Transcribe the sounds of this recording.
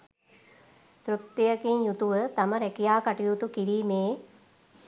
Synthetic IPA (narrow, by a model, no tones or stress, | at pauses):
t̪ɾuk̚t̪ijakinjut̪uʋət̪aməɾɛkijaːkaʈijut̪ukiɽiːmeː